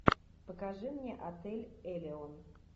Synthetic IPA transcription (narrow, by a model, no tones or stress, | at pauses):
pəkaʐɨmnʲeʔɐt̪ɛlʲɛlʲɪon